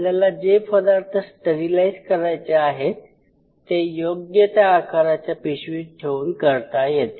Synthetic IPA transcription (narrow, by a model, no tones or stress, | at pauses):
lalad͡ʑepʰəd̪aɾt̪ʰəsʈəɾilaizkəɾajt͡ɕeaɦe | t̪ːejoɡjət̪jaːkaɾat͡ɕjapiɕʋiːʈʰeuːnkəɾt̪ajet̪